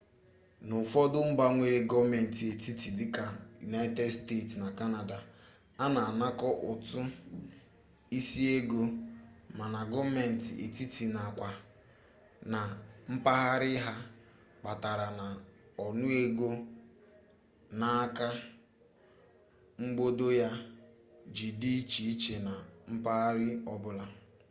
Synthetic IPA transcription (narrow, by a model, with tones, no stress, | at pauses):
nʊ˨fɔ˦dʊ˦m̩˦ba˦ŋʷe˨ɾe˨ɡɔ˦vme˨n̩˨ti˨e˨ti˦ti˨dɪ˦ka˨jṵ˨na˦i˦te˦dste˦˨tna˨ka˦na˨da˨ | a˦na˨a˨na˦kɔ˦ʔʊ˨tʊ˦ | i˦si˦e˦ɡo˦ | ma˨na˨ɡɔ˦vme˨n̩˨tḭ˨ʔḛ˨ti˦ti˨na˨kʷa˨ | na˨ | m̩˦pa˦ɣa˦ɾɪ˦ɦa˦ | k͡pa˨ta˨ɾa˨na˨ | ɔ˨nʊ˦e˦ɡo˦ | na˦a˦ka˦ | ŋ͡m̩˦ɡ͡bo˦do˦ja˦ | d͡ʒi˨di˦t͡ʃi˨i˦t͡ʃe˨na˨ | m̩˦pa˦ɣa˦ɾɪ˦ɔ˦bʊ˨la˦